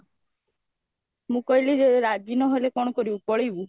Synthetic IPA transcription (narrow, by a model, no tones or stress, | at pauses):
mũkɔilid͡ʒeeɾad͡ʒinɔɦolekɔɽ̃ɔkɔɾiupɔɭibu